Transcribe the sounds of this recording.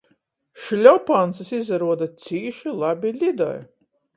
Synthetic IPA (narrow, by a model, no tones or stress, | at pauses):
ʃlʲɔpant̪sɨsizaɾuɔd̪at̪sʲiːʃilˠabʲilʲid̪ɔ̰j